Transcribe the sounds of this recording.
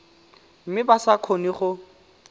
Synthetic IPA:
m̩mɪbasakʰoniχʊ

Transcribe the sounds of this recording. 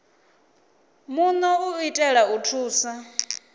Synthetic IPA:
munɔuitʼɛɺautʰuːsa

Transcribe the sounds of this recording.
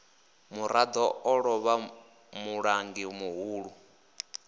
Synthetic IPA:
muɾad̪ɔɔɺɔβa | muɺaŋɡimuɦuːɺu

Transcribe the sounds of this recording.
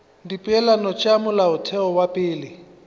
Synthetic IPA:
dipʼɛlanɔt͡ʃʼamʊlaʊtʰɛɔwapʼɪːlɪ

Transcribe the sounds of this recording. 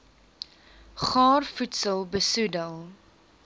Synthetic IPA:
χɑːrfutsəlˠbəsudəlˠ

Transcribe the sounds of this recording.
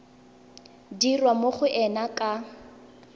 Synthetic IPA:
dirwamoχʊʔɛnakʼa

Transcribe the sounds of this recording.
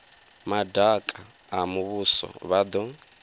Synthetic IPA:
madakʼa | amuβusɔ̰βad̪ɔ

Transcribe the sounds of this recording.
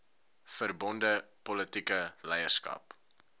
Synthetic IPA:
fərbɔndəpɔlətikəlɛjəskɐ̰p

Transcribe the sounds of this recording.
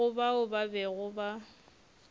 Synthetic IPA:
ʊbaʊbabɛɣʊba

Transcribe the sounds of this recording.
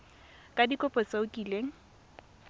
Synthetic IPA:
kʼadikʼɔpʼɔt͡saʊkʼiːleːŋ̩

